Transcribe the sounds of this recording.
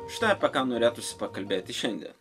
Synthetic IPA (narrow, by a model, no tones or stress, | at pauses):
ʃʲɪ̥t̪ɑɐpʲɛkɑːnoːɾʲeːt̪ʊsʲɪ̥pɐkɐlʲbʲeːt̪ʲɪʃʲɛnʲd̪ʲɛ̰n